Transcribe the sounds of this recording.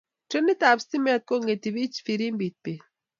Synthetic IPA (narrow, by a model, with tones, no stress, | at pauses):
te˦ni˦t̪a˨bst̪i˦me˦a˨t̪̚ko˦ŋɡe˨t̪i˨βi˦t͡ʃfi˨ɾi˦mbi˨t̪̚pe˨